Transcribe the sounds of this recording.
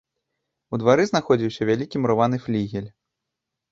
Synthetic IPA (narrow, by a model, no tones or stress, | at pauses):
ud̪vaɾɨznaxɔd͡zʲiwsʲɐvʲalʲikʲimɾɔvan̪ɨflʲiɣʲɛlʲ